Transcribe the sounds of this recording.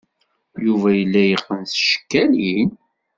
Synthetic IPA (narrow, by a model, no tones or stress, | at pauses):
juvæjəlːæjəqːənθʃə̥kːælin